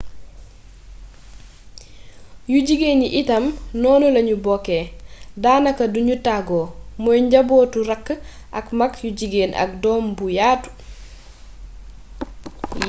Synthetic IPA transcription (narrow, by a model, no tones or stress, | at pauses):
juɟiɡeːniʔitɐmnɔːnulɐɲubɔkːeːdaːnɐkɐduɲutaɡoːmɔjɲɟɐbɔːtuɾɐkː | ʔɐkmɐkjuɟiɡeːnʔɐ̰k̚dɔːmbujaːtu̥